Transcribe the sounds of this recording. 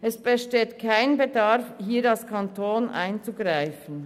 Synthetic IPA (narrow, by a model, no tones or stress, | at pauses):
ɛsb̥ɛʃteːtkʰaɪnbedɑʁfhiːdalskʰantʰoːnʔa̰ɪnt͡suɡʁaɪfən̩